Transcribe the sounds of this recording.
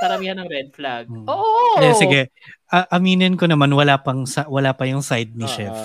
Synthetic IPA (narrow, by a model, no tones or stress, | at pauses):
kɐɾɐmiːhɐnɐŋɾɛd̪̚flaɡoːʔjɛsɪɡɛ | ʔɐʔɐmiːnɪnkonɐmanwɐlaːpɐŋsawɐlaːpɐjʊŋsajd̪̚nɪʃɛf